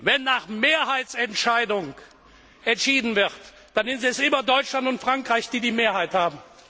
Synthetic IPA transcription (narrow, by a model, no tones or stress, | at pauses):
vɛnːaːχmeːɐɦaɪt͡sɛntʃaɪdʊŋ | ʔɛntʃiːdn̩vɪʁt | d̥anɪnziɛsʔɪmɐdɔʏt͡ʃlantʊntfʁ̥aŋkʁ̥aɪçd̥iːdiːmeːɐhaɪthaːbm̩